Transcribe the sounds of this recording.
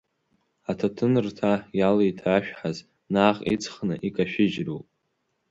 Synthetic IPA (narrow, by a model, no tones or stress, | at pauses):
atʰatʰɨnɨrtʰajalejtʰaːʃᶣħaz | naːχʼḭt͡sʰʼχnɨʔikʼaʃᶣɪd͡ʒrupʼ